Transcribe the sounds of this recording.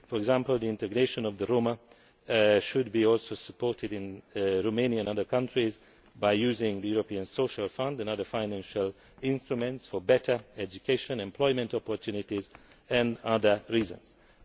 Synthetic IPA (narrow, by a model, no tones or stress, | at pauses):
fɔɹɛɡzæ̃mpəld̪iɪ̃ntɛɡneʃə̃nɔvðəɹomə | ʃʊd̚biɔlˠsosə̥pʰɔɹtɪdɪ̃nɹomẽniaɛ̃nʌðə˞kʰʌ̃ntɹiz | bajjuːzɪ̃ŋðəjuɹopiə̃nsoʃalfʌ̃ndɛ̃nʌðə˞fãɪnæ̃nʃəl | ɪ̃nstɹumɛ̃ntsfɔbɛtʰə˞ɛd͡ʒukʰeɪʃə̃nɛ̃mpʰl̥ɔɪmɛ̃ntɔpɔɹtʰjunɪtiz | ɛ̃ndʌðə˞ɹiːzə̰̃nz̥